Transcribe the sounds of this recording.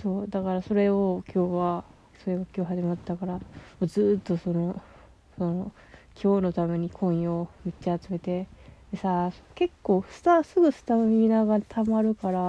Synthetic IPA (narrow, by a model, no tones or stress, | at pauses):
so̞ːd̪akaɾaso̞ɾe̞okʲʰo̞ːβa | so̞ɾe̞ɡakʲo̞ːɦaʑimat̪ːakaɾamoːzɨːt̪ːo̞so̞no̞ | so̞no | kʲʰo̞ːno̞t̪ame̞ɲ̟ikʰõ̞ɰ̃jomett͡ɕːaːt͡sɨme̞t̪e̞d̪̥e̞saso̥ke̞kːo̞ːsɨ̥t̪asɨɡɯ̟sɨ̥t̪aomʲiinaɡat̪ʰamaɾɯ̟kaɾa